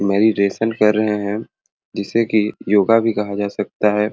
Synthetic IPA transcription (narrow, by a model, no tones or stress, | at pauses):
meːɾiɾeːsənkɐɾːɐɦeɦɛ̃ | d͡ʒɪsekijoːɡabʱikɐɦad͡ʒaːsɐk̚t̪aɦɛː